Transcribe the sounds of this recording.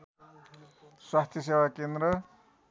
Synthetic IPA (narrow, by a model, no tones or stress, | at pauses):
swast̪ʰjʌsewakend̪rʌ